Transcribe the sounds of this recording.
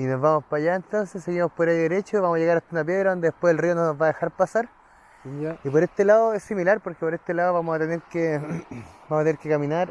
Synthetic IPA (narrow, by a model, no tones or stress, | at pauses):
inozvamo̞spaʝaent̪o̞nsesːeɣimospoɾajðeɾet͡ʃoiβamosaʝeɣaɾat̪unap̬jeðɾaðo̞nd̪e̞ðepweelriononozvaːðexaɾpasaɾ | ipo̞ɾest̪elaoesːimilaɾpoɾkepoɾest̪elaðoβamosat̪eneɾke | bamoat̪eneɾkekaminaɾ